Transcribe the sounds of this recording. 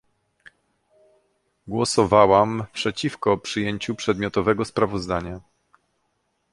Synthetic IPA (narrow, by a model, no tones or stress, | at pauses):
ɡwɔsɔvawampʂɛt͡ɕifkɔpʂɘjeɲt͡ɕupʂɛd̪mʲjɔt̪ɔvɛɡɔspɾavɔzd̪aɲa